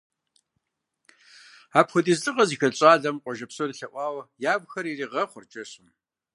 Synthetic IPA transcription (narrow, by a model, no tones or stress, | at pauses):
aːpxʷʊtʼiːzɬʼɨqʼɐziːxɐɕʼaːɮɐmqʷʼɔʒɐpsonɨɬɐʔʷɑːwjaːbʷxɐɾiːriːʁɐχʷʊrt͡ʃʼɐɕɨm